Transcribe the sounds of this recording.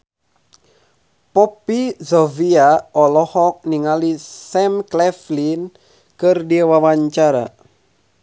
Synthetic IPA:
pɔpizɔviaɔlɔhɔk̚niŋalisɛmklɛflin | kərdiawawaɲt͡ʃaɾa̰

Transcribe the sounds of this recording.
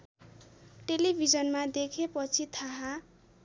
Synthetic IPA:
ʈelibʱid͡zʌnmad̪ekʰepʌt͡sʰit̪ʰaɦa

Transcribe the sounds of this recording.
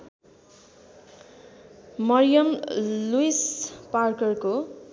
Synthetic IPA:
mʌrijʌmluisparkʌrko

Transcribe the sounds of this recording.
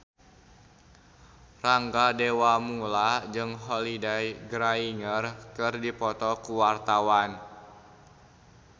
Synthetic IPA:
raŋɡadewamulad͡ʒɨŋɦɔlidajɡɾaiŋərkɨrdipɔt̪ɔkuwart̪awan

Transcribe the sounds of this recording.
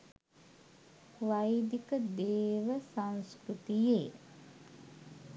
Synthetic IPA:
ʋajd̪ikəd̪eːʋəsanskɾut̪ije

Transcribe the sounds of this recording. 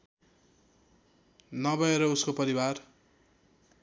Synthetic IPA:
nʌbʌeɾʌuskopʌɾiwar

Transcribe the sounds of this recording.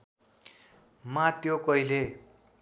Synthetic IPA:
mãt̪jokʌjle

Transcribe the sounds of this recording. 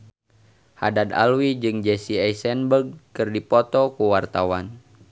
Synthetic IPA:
ha̰dad̪a̰lwid͡ʒɨŋd͡ʒɛsiajsɛnbəɡ̚kɨrdipɔt̪ɔkuwart̪awan

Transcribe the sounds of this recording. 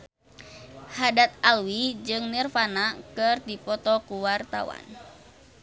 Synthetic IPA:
hadat̪̚alwid͡ʒɨŋnirfanakɨrd̪ipɔt̪ɔkuwart̪a̰wa̰n

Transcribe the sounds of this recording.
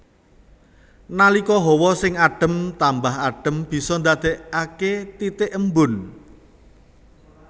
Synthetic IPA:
nalikɔɦɔwɔsɪŋaɖ̥ə̤mt̪ambaɦaɖ̥ə̤mb̥i̤sɔnd̪ad̪̥eʔaket̪it̪ɪʔəmbʊn

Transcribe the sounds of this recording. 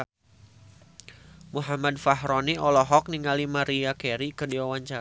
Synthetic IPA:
muɦamadfaɦɾɔniɔlɔɦɔk̚niŋalimaɾiakɛɾikərdiwawaɲt͡ʃa

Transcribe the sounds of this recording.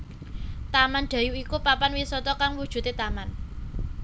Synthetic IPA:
t̪amanɖ̪̥ä̤juikupapanwisɔt̪ɔkaŋwud̥ʒ̥ṳt̪et̪aman

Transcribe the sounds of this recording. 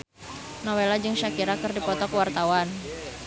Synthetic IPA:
nɔwelad͡ʒɨŋʃakiɾakərdipɔt̪ɔkəwart̪awan

